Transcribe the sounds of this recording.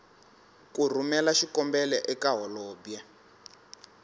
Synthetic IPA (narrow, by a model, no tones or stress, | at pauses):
kur̤umɛlaʃikɔmbɛlɛʔɛkaɦɔlɔːbjɛ